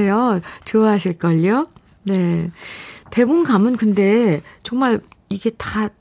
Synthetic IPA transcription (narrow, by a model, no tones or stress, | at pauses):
ejot͡ɕɯʌɦaɕʰiɭk͈ʌʎːo | ne̞ | te̞bonɡamɯnkɯnde̞t͡ɕʌŋmaɭiɡe̞ta